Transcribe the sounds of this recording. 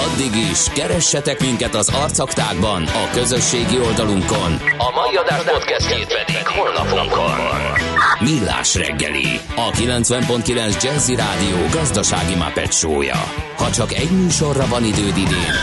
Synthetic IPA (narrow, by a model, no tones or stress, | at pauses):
ɒd̪ːiɡiʃkɛɾɛʃːɛt̪ɛkmiŋkɛt̪ɒzɒrt̪sɒkt̪aːɡbɒnɒkø̞zø̞ʃːeːɡio̞ld̪ɒluŋko̞nɒmɒjiɒd̪aːʒd̪at̪kɛst̪keːt̪vɛd̪id̪ionɒ̰pŋko̰nnmilːa̰ːʃrɛ̰ɡːɛ̰lḭ | ɒkilɛnt̪sʋɛmpo̞nt̪̚kilɛnzd͡ʒɛlziɾaːd̪ijoːɡɒzd̪ɒʃa̰ːɡima̰pɛ̰t̪ʃo̰ːjɒ̰hɒt͡ʃɒkɛɟmyːʃo̞rːɒvɒnid̪øːd̪id̪eːn